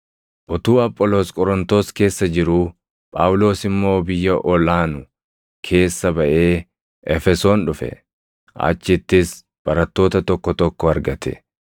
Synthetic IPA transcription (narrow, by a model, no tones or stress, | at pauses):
ʔɔt̪uːɐpʼːɔlo̞ːskʼɔɾɔnt̪o̞ːske̞ːsːɐd͡ʒɪɾʊ | pʼaːwʊlo̞ːsɪmːo̞ːbɪjːɐʔɔlaːnʊ | kʰe̞ːsːɐbɐʔe̞ː | ʔɛfɛso̞ːnᶑʊfɛ̰ | ʔa̰t͡ʃːɪt̪ːɪs | b̥ɐɾɐt̪ːo̞ːt̪ɐt̪ɔkːɔt̪ɔkːɔɐɾɡɐt̪ʰɛ̰